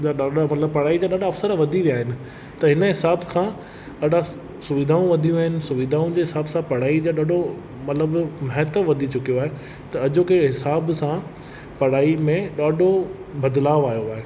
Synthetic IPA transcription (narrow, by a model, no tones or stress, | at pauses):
aɗaːamɐt̪ləbpɐɽ̤aːid͡ʑaːɗaːɖaɐfsəɾʋɐd̪ʱiʋijaːɦɪnɪ̆ | t̪ɐɦɪnəɦɪsaːbkʰãː | ɗaːɗa | sʊʋɪd̪ʱaːũʋɐd̪ʱijũaːɦɪnɪ̆sʊʋid̪ʱaːũd͡ʑeːɦɪsaːbsãpɐɽ̤aːid͡ʑaːɗaːɖʱo | mɐt̪ləbmɐɦɪt̪əʋɐd̪ʱit͡ɕʊkijoaːɦe | t̪ɐɐd͡ʑokeɦɪsaːbsã | pɐɽ̤aːimẽɗaːɖʱo | bɐd̪laːʋaːjoaːɦeː